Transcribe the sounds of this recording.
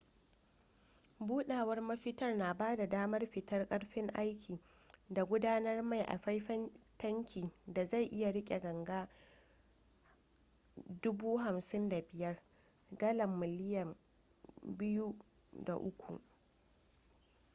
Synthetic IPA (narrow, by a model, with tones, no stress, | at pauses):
buː˦ɗaː˨wɐ˦rmɐ˦ɸɪ˦tɐ˦rnaː˨baː˦da˨daː˦mɐ˦rɸɪ˨tɐ˦rkʼɐ˦ɽɸɪ˦ŋʔa˦jkʲʰiː˨ | da˨ɡʷʊ˦daː˦nɐ˦rma˦˨jʔa̰˨ɸa˦jɸɐ˦ntɐ˦ŋkʲʰiː˨da˨za˦˨jʔɪ˦ja˨ɽɪ˦kʲʼe˨ɡɐ˨ŋɡaː˦ | dʊ˦buː˦ɦa˨msɪ˦nda˨bɪ˨jɐ˦r | ɡɐ˦lɐ˨mːɪ˨lɪ˦jɐ˨m | bɪ˦ju˦ | da̰˨ʔʊ˦kʷṵ˨ʔ